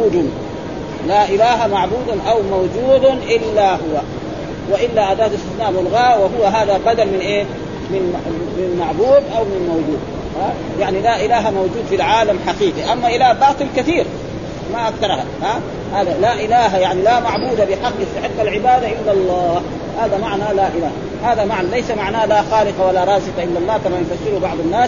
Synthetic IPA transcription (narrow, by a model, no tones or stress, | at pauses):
uːd̪ | laʔɪlaːɦamaʕbuːd̪aʔawmawd͡ʒuːd̪ʔɪlːaɦʊwa | wɪʔɪlːaʔad̪aːt̪ast̪ɪθnaːʔlwalɣaːwɪɦʊwːaɦaːðabad̪almɪnʔeː | mɪnmɪnmaʕbuːd̪ʔawmɪnmawd͡ʒuːd̪̚ | ha | jaʕnilaʔɪlaːɦamawd͡ʒuːd̪filʕaːlamħɑqiːqiʔamːaʔɪlaːbɑːt̪ˤɨlkaθiːɾ | maʔakθɑɾˤha̰haː | haːd̪alaʔɪlaːɦajaʕnilamaʕbuːd̪abɪħɑqːʔɪst̪aħɪqːalʕɪbaːd̪aʔɪlːalˤːɑːh | haːd̪amaʕnalaʔɪlaːh | haːðamaʕnalajsamaʕnaːlaxaːlɪqɑwalaɾˤɑːsɨqɑʔɪlːalˤːɑːkamajfasːɪɾubɑʕd̪ˤanːaːs